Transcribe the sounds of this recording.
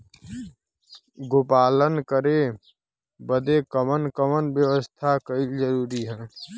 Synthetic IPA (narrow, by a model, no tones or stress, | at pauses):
ɡoːpaːlənkəɾe | bəd̪ekəmənkəmənbjəwəst̪ʰakəild͡ʒəɾuːɾiɦɛː